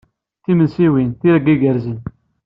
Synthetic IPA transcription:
θimənsiwinθiɾəɡiɡəɾzən

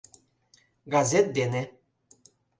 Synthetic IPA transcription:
ɡɑzʲet̪̚d̪ene

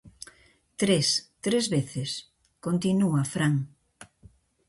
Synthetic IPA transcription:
t̪ɾest̪ɾezβeθes | kont̪inuafɾaŋ

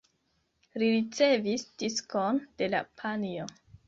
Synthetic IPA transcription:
liɾit͡se̞visd̥iskond̥e̞la̰pʰanio

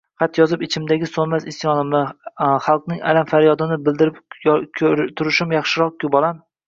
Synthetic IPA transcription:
qʰɑt̪jɒzɪpɪt͡ʃʰɪmd̪aɡʲɪsonmasɪsjɒnɪmɪχɑlˠqnɪŋa̰lamfaɾjɒd̪ɪnɪbɪld̪ɪɾɪpʲʰ | ɾt̪ʰʊɾɪʃɪmjɑχʃɪɾɒq̚kʲʰʊbɒlˠamɪ

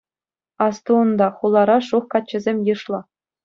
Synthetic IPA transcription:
ɑst̪uːnd̪ɑχulˠːɑɾɑʂuχkɑt̚t͡ɕːɘ̆zʲemʲjɯʂlˠɤ̆

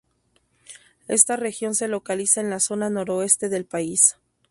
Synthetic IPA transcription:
e̞̰st̪are̞xjo̞nse̞lo̞kalisaenlaso̞nano̞ɾo̞e̞st̪e̞ðe̞lpais

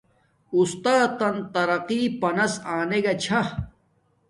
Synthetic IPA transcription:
ust̪aːt̪ɐnt̪ɐɾɐqiːpɐnɐsaːneɡɐt͡ɕʰa

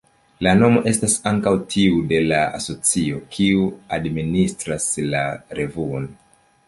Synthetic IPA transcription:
lano̞mo̞ʔe̞stasaŋkawtʰiude̞laa̰so̞t͡sio̞kʰiuadministɾaslaɾe̞vuon

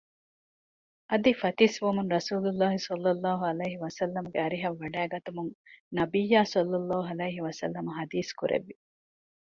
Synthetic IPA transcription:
ʔɐd̪ifɐt̪isʋɐmunɾɐsuːlulːaːɦisɐlːɐlːaːɦuɐlɐjɦiʋɐsɐlːɐmuɡeɐɾiɦɐʋːɐɖæːɡɐt̪umuŋnɐbijːaːsɐlːɐlːaːɦuɐlɐjɦiʋɐsɐ̰lːɐmɐɦɐd̪iːskuɾʔḛʋːi

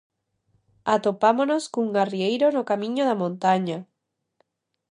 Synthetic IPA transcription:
at̪opamonoskouŋɡariejɾonokamĩɲoðamõnt̪aɲa

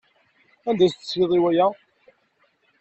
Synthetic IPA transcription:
ænd̪æst̪ːə̥siðˤiwæjæ

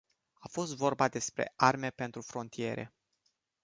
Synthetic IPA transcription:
afo̞st̪vo̞rbad̪e̞spɾe̞̰ʔarme̞pe̞nt̪ɾufɾo̞nt̪ije̞ɾe̞̰

